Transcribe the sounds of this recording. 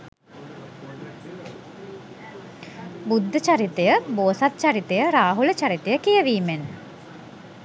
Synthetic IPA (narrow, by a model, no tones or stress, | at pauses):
bud̪ʱːət͡ʃaɾit̪ejəboːsat̪̚t͡ʃaɾit̪ejəɾaːɦulət͡ʃaɾit̪ejəkijəʋiːmen